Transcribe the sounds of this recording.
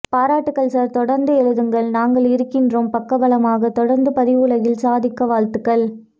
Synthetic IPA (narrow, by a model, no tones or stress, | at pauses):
paːɾaːʈːɯkːɐɭsaːɾt̪ɔɽɐɾnd̪ɯɛɻɯðɯŋɡɐɭnaːŋɡɐɭɪɾɯkːɪndroːmpɐkːɐbɐlɐmaːɣɐt̪ːɔɽɐɾnd̪ɯpɐðɪʋɯlɐɣɪlsaːðɪkːɐʋaːlt̪ɯkːɐɭ